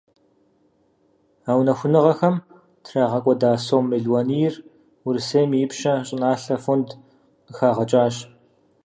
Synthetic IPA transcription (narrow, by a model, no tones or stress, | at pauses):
aːwnɐxʷʊnɨʁɐxɐm | tʰraːʁɐkʷʼɔdaːsoːmːɨɮwɐniːjr | wʊrseːjmijɪpɕɐɕʼɪnaːɬɐfund | ɨxaːʁɐt͡ʃʼaːɕ